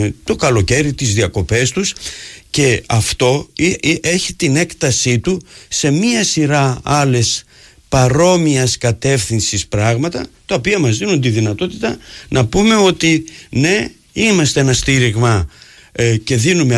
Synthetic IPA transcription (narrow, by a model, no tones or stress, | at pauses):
t̪o̞kɐlo̞ce̞ɾit̪izðiɐko̞pe̞st̪usce̞ɐft̪o̞ʔeçit̪ine̞kt̪ɐsit̪use̞miɐsiɾɐɐle̞s | pɐɾo̞miɐskɐt̪e̞fθinsispɾɐɣmɐt̪ɐt̪ɐopiɐmɐzðinund̪iðinɐt̪o̞t̪i̥t̪ɐnʔɐpume̞o̞t̪ine̞ | imɐst̪e̞enɐst̪iɾiɣmɐ | ce̞ðinume